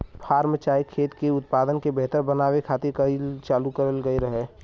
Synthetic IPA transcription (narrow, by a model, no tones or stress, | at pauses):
pʰaːɾmət͡ʃaːikʰeːt̪keʊt̪̚paːd̪ənkebɛɦt̪əɾbənaːwekʰaːt̪iɾkəilt͡ʃaːlukəɾəlɡəiɾəɦɛ